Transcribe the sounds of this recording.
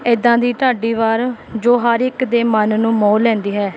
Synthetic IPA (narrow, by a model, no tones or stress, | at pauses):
ɪd̪ãːd̪iːʈ̪aːɖiːʋaːɾd͡ʒoːɦəɾɪkd̪eːmənnũːmoːlɛ̃ːnd̪iːɦɛː